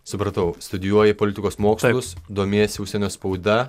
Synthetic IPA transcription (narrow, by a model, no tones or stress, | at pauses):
sʊpɾɐt̪ɐʊst̪ʊd̪ʲɪjuɔjɛpoːlʲɪt̪ʲɪkoːsmoːksllˠʊsd̪oːmʲeːsʲɪʊʃʲsʲeɛnʲoːspɐʊd̪ɐ